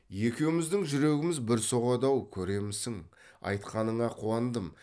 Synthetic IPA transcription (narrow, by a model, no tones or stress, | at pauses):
je̞kʲe̞wɪmɪzd̪ɪŋʒʏɾe̞ɡʲɪmɪzbɪɾso̞ʁɑd̪ɑwkʲʰɵɾe̞mɪsɪŋ | ɑ̰jt̪qɑnəɴɑqʰuɑnd̪əm